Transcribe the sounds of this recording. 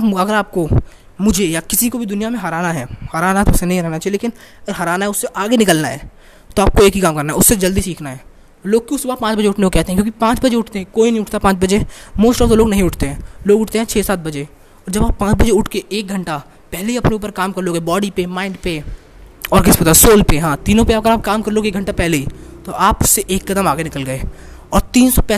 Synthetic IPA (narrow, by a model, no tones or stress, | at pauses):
ɐɡəɾaːp̚ko | mʊd͡ʒʱejakɪsikobʱid̪ʊnijamẽɦɐɾaːnaɦɛːhɐɾaːnaɦɛt̪oʊsːenɐɦĩɾɛɦnat͡ʃaːjeleːkɪn | ɐɡəɾɦɐɾaːnaɦɛʊsːeʔaːɡenɪkəlnaɦɛ̰ː | t̪oaːp̚koeːkɦikaːmkɐɾnaɦɛʊsːed͡ʒɐld̪isiːkʰnaɦɛː | loːɡ̚kjũsʊbʱapãːt͡ʃbɐd͡ʒeʊʈʰnekokɛɦt̪eɦɛ̃kjõːkipãːt͡ʃbɐd͡ʒeʊʈʰt̪eɦɛ̃koːinɐɦĩʊʈʰt̪apãːt͡ʃbɐd͡ʒemoːsʈəːlsoloːɡnɐɦĩʊʈʰt̪eɦɛ̃ːloːɡʊʈʰt̪eɦɛ̃t͡ʃʰɛːsaːt̪̚bɐd͡ʒe | ɔːɾd͡ʒɐbaːpːãːt͡ʃbɐd͡ʒeʊʈʰkeeːk̚ɡʱɐ̃ɳʈa | pɛɦleɦiɐpneuːpəɾkaːmkɐɾloːɡɛbɔːɽipemãːɪ̃ɳɖpe | ɔːɾkɪspɐt̪asoːlpeɦãːt̪iːnõpeɐɐɡəɾaːp̚kaːmkɐɾloːɡeːk̚ɡʱɐ̃ɳʈapɛɦleɦit̪oʔaːpʊsːeʔeːkːɐd̪əmaːɡenɪkəlɡɐeː | ɔːɾt̪iːnsɔpɛ